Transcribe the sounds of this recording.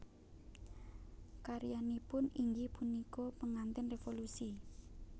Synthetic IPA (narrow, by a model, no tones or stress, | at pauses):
kaɾijanipʊniŋɡipunikopəŋant̪ɪnrefolusi